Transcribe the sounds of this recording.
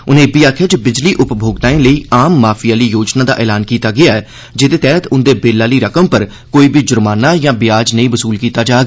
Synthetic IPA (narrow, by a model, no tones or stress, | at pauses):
ʊnẽːbiːaːkʰəd͡ʒbɪd͡ʒliːʔʊpbʱoːɡt̪ãːẽːləiːʔaːmːaːpʰijaːliːjoːd͡ʒnaːd̪a̰ːʔɛːlaːnkiːt̪aːɡɪaːɛː | d͡ʒɪd̪eːt̪ɛːət̪ʊnd̪eːbeːlaːliːɾəkəmpəɾ | koːiːbiːd͡ʒʊɾmaːnaːjãːbɪjaːd͡ʒnəĩːbəsuːlkiːt̪aːd͡ʒaːɡ